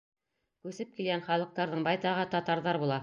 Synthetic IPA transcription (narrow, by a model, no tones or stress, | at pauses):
kʉsɘp̚kilɡænχɑlˠɤ̆q̚t̪ɑɾðɤɴbɑjt̪ɑʁɤt̪ɑt̪ɑɾðɑɾβbulˠɑ